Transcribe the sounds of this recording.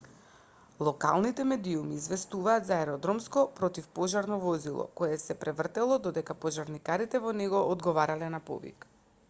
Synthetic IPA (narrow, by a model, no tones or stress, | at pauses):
lˠɔka̰lˠnit̪ɛmɛd̪iumiːzvɛst̪uvaːt̪zaɛɾɔd̪ɾɔmskɔpɾɔt̪ifpɔʒaɾnɔvɔzilˠɔ̰kɔjɛsɛpɾɛvr̩t̪ɛlˠɔd̪ɔd̪ɛkapɔʒaɾnikaɾit̪ɛvɔnɛɡɔʔːd̪ɡɔvaɾalɛnapɔ̰vḭk